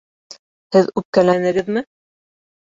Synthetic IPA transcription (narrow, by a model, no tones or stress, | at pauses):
hɘðʉp̚kænænɘ̆ɡɘðmɘ